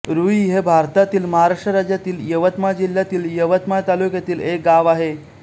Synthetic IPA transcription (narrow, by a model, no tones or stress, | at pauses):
ɾuiɦebʱaɾt̪at̪iːlməɦaɾaʂʈəɾad͡ʑjat̪iːljəʋət̪mad͡ʑiljat̪iːljəʋət̪mat̪alukjat̪iːlek̚ɡaʋaɦe